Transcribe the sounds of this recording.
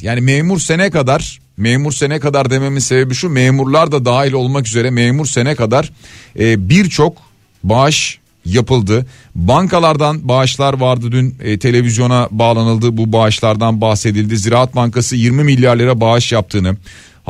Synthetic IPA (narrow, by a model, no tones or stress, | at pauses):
jaːnimeːmuɾse̞nɛkad̪aɾ̥ | meːmuɾse̞nɛkad̪aɾd̪e̞me̞mizse̞be̞biʃumeːmuɾlˠaɾd̪ad̪aːɦilʲo̞lˠmakyze̞ɾɛmeːmuɾse̞nɛkad̪aɾ̥ɛːbiɾt͡ʃʰo̞k | baʃ | japɯlˠd̪ɯbaŋkʰalˠaɾd̪anbaːʃlˠaɾvaɾd̪ɯd̪ynːt̪ʰe̞lʲe̞vizjo̞nabaːlˠanɯlˠd̪ɯbubaːʃlˠaɾd̪anbahse̞d̪ilʲd̪iziɾaːat̪̚baŋkasɯjiɾmimilʲːjaɾlʲˠeɾabaʃjap̚t̪ʰɯːnɯ